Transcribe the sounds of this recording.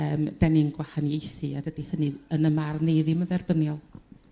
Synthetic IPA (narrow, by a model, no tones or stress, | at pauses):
əːmd̥ɛnɪŋɡ̥wahanjejθɨadəd̥ihənɨənəmarneɨðiməðɛrbənjɔlˠ